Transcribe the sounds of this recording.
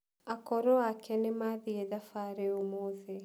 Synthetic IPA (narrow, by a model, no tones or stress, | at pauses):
akɔɾɔakʰɛnemaðieðafaɾeomoðɛ